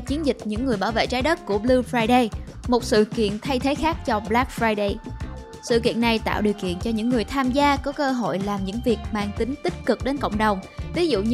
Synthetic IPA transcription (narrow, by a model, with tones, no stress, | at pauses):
t͡ɕi˨˦ənzï˨˩k̟̚ɲɨ̰˧˥ŋːɨ˨˩əjɓaː˧˩wvḛ˧˨t͡ɕaː˨˦jɗə˦˥t̚ku˧˩əɓlɨ˧fɹaː˧jɗə˧j | mo˨˩t̚sɨ̰˧˨kḭ˧˨ənt̪ʰa˧jt̪ʰe˨˦xaː˦˥k̚t͡ɕɔ˧ɓlaː˦˥k̚fɹaː˧jɗe˧j | sɨ̰˧˨kḭ˧˨ənːa˨˩jt̪a̰ː˧˨wɗi˨˩əwkḭ˧˨ənt͡ɕɔ˧ɲɨ̰˧˥ŋːɨ˨˩əjt̪ʰaː˧mzaː˧kɔ˨˦kəː˧ɦo̰˧˨jlaː˨˩mɲɨ̰˧˥ŋvi˨˩ək̚maː˧˩ŋt̪ï˨˦ŋ̟t̪ï˦˥k̚kɨ˨˩k̚ɗe˨˦nkə̰˧˨wŋ͡mɗə˨˩wŋ͡mvi˨˦zṵ˧˨